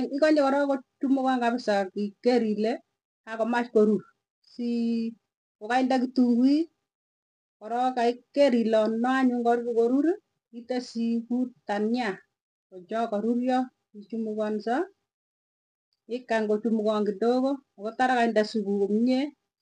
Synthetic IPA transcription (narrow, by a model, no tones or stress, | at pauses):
ŋɪkɔɲɛkɔɾɔkot͡ʃumukɔŋɡabɪsakikːeɾile | kakɔmat͡ʃkoɾuɾ | si | kokaindakituŋɡwi | kɔɾɔkaɪkːeɾilɔnːɔaɲʊŋɡɔɾkikoɾuɾ | itesikutanɲa | kod͡ʒɔkɔɾurjɔ | it͡ʃumukɔnsa | ɪkːaŋɡot͡ʃumukɔŋɡidokokɔtaɾakaindasukukomɲe